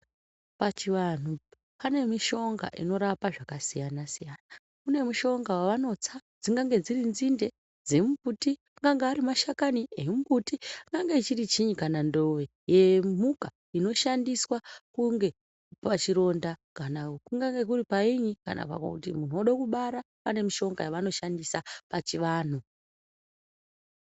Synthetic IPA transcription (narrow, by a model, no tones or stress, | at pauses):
pat͡ʃiʋan̤u | pane̞miʃo̞ŋɡa̰ʔḭno̞ɾapaʐakasijanasijaːna | une̞muʃo̞ŋɡawaʋano̞t͡sad͡ziŋɡaŋɡe̞d͡zirinzinde̞ | d͡ze̞muputiaŋɡaŋɡaːɾimaʃakaniemuputiaŋɡaŋɡeit͡ʃirit͡ʃiɲikanando̞ʋe̞ | jemuka | ino̞ʃandiswakuŋɡe̞ | pat͡ʃiɾo̞ndakanakuŋɡaŋɡe̞k̬uripaiɲika̰nʔa̰pa̰kakutimun̤uoɗakuɓaɾa | pane̞miʃo̞ŋɡajaʋano̞ʃandisapat͡ʃiʋaːn̤u